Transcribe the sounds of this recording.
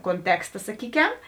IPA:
koːnʲˈtʲæːkstɐ sɐˈkʲiːkʲɛm

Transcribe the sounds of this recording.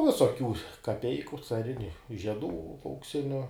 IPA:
ˈʋʲɪsoːkʲuː kɐˈpʲɛɪkʊ t͡sɐˈrʲɪnʲʊ ʒʲiɛˈduː ɐʊkˈsʲɪnʲʊ

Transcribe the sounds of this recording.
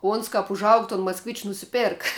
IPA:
ˈoːns kɐp ʊʒˈɐʊk toːn mɐskˈʋʲɪt͡ʃʲʊ nʊsʲɪˈpʲeːrk

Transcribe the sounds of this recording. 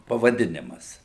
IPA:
pɐʋɐˈdʲɪnʲɪmɐs

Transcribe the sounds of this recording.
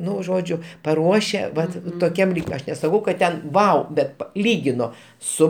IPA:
ˈnʊ ˈʒoːd͡ʒʲʊ pɐˈruɔʃʲɛ ˈʋɐt toːˈkʲɛm ˈlʲiːkʲ ˈɐʃ nʲɛsɐˈkɐʊ kɐt ˈtʲɛn ˈʋɐʊ ˈbʲɛt ˈlʲiːɡʲɪnoː ˈsʊ

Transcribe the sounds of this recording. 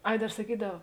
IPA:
ˈɐɪ ˈdɐr sɐˈkʲiːdɐw

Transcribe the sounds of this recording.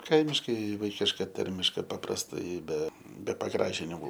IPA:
ˈkɐɪmʲɪʃkɐɪ ˈʋɐɪkʲɪʃkɐ ˈtɐrʲmʲɪʃkɐ pɐprɐsˈtɐɪ ˈbʲɛ bʲɛ pɐˈɡrɑːʒʲɪnʲɪmʊ

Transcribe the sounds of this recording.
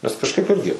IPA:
nʲɛs kɐʃˈkɐɪp ˈɪrʲɡʲɪ

